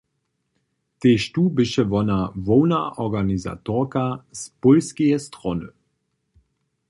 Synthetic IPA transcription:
teʃtuːbɪʃəvɔnavɔwnaʔɔɡaniza̰toʁkaspolskeɛstʁɔnə

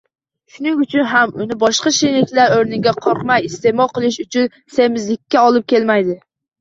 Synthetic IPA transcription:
ʃʊnɪŋʊt͡ʃʰʊnɦamʊnɪbɒʃqɑʃenɪkʲlaɾøɾnɪɡʲaqʰɒɾqmajist̪emɒqɨlˠɪʃʊt͡ʃʰʊn | semɪzlɪkʲːaɒlˠɪp̚kʲelmæjd̪ɪ

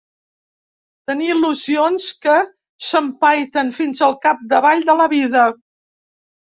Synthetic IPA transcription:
t̪əniːluzionskə | səmpajt̪ənfinzəlˠkap̚d̪əβaʎd̪ələβiðə

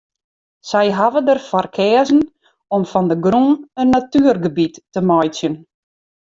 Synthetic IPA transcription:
sɛjɦavədərfɔrkʰɛːzn̩ | ɔmfɔndəɡrunənːatyərɡəbitːəmɔjt͡sjən

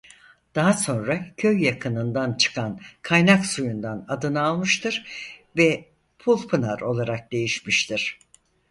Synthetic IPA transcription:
d̪̥aɦaso̞nɾacʰø̞jːakʰɯnɯnd̪ant͡ʃʰɯ̥kʰankʰajnaksujund̪anad̪ɯnaːlˠmɯʃt̪ʰɯɾvɛ | pʰulˠpʰɯnaɾo̞lˠaɾak̚d̪̥e̞jiʃmiʃt̪ʰiɾ̥

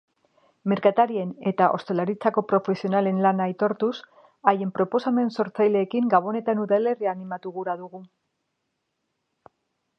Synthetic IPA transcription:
me̞ɾkat̪aɾie̞ne̞t̪aʔo̞st̪e̞laɾit͡sako̞pɾo̞fe̞sio̞nale̞nlanaːjt̪o̞ɾt̪us | aje̞mpɾo̞po̞same̞nso̞ɾt͡sajle̞ːkiŋɡaβ̞o̞ne̞t̪anuðale̞riaːnimat̪uɣuɾaðuɣu

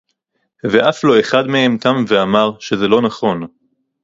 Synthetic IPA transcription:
ve̞ʔaflo̞e̞χad̪mehe̞mt̪amve̞amaʁʃe̞ze̞lo̞naχo̞n

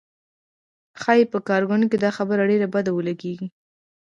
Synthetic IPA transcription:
xɑjepəkɑɾɡʊnked̪ɑxabəɾaɖeɾabad̪awəlaɡeɡi

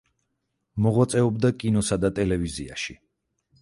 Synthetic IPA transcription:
mɔʁwat̪sʼɛɔbd̪akʼinɔsad̪at̪ʼɛlɛvizia̰ʃi

